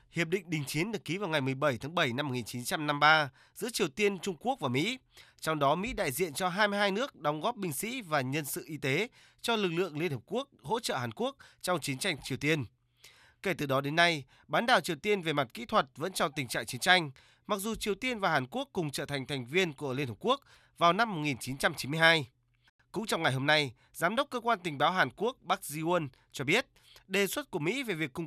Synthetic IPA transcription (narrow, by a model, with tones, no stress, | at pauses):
hi˨˩əp̚ɗḭ̈˧˨ŋ̟ɗï˨˩ŋ̟t͡ɕi˨˦ənɗɨ˨˩əkːi˨˦vaː˨˩wŋa˨˩jmɨ˨˩əjɓə˧˩jt̪ʰaː˨˦ɓə˧˩jna˧mo˨˩ŋi˨˩nt͡ɕi˨˦nt͡ɕa˧mna˧mɓaː˧ | zɨ̰˧˥ət͡ɕi˨˩əwt̪i˧ənt͡ɕʊ˧ŋ͡mku˦˥ək̚vaː˨˩mḭ˧˥ | t͡ɕɔ˧wŋ͡mɗɔ˨˦mḭ˧˥ɗa̰ː˧˨jzḭ˧˨ənt͡ɕɔ˧ɦaː˧jmɨ˧ɦaː˧jnɨ˦˥ək̚ɗɔ˨˦wŋ͡mɣɔ˦˥p̚ɓï˧˩ŋ̟sḭ˧˥vaː˨˩ɲə˧nsɨ̰˧˨ʔi˧t̪e˨˦ | t͡ɕɔ˧lɨ˨˩k̚lɨ̰˧˨əŋli˧ənhəː˨˩p̚ku˦˥ək̚ho̰˧˥t͡ɕə̰ː˧˨ɦaː˨˩nku˦˥ək̚t͡ɕɔ˧wŋ͡mt͡ɕi˨˦ənt͡ɕa˧jŋ̟t͡ɕi˨˩əwt̪i˧ən | ke˧˩t̪ɨ˨˩ɗɔ˨˦ɗe˨˦nːa˧j | ɓaː˨˦nɗaː˨˩wt͡ɕi˨˩əwt̪i˧ənve˨˩ma˨˩t̚kḭ˧˥t̪ʰwə˨˩t̚və̰˧˥nt͡ɕɔ˧t̪ï˨˩ŋ̟t͡ɕa̰ː˧˨ŋt͡ɕi˨˦ənt͡ɕa˧jŋ̟ | ma˨˩k̚zu˨˩t͡ɕi˨˩əwt̪i˧ənvaː˨˩ɦaː˨˩nku˦˥əkːʊ˨˩ŋ͡mt͡ɕəː˧˩t̪ʰa˨˩jŋ̟t̪ʰa˨˩jŋ̟vi˧ənku˧˩əli˧nhəː˨˩pku˦˥ək̚ | vaː˨˩wna˧mːo˨˩t̚ŋi˨˩nt͡ɕi˨˦nt͡ɕa˧mt͡ɕi˨˦nmɨ˧əjhaː˧j | kʊ̰˧˥ŋ͡mt͡ɕɔ˧wŋ͡mŋa˨˩jɦo˧mna˧j | zaː˨˦mɗə˦˥k͡p̚kːəː˧kwaː˧nt̪ï˨˩ŋ̟ɓaː˨˦wɦaː˨˩nku˦˥ək̚ɓaː˦˥k̚zi˧wn | t͡ɕɔ˧ɓi˦˥ət̚ | ɗe˨˩swə˦˥t̚ku˧˩əmḭ˧˥ve˨˩vi˨˩əkːʊ˧ŋ͡m